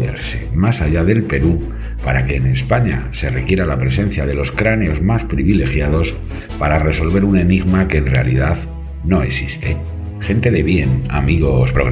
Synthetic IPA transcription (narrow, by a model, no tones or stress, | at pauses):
ðḛɾse̞masaʝaðe̞lpe̞ɾu | paɾake̞ːne̞spaɲase̞re̞kje̞ɾalapɾe̞se̞nθjað̞e̞lo̞skɾane̞o̞zmaspɾiβile̞xjað̞o̞s | paɾare̞so̞lβe̞ɾune̞niɣmake̞ːnre̞a̰lḭðað | no̞e̞sist̪e̞ | xe̞nt̪e̞ðe̞βje̞na̰miɣo̞spɾoɣ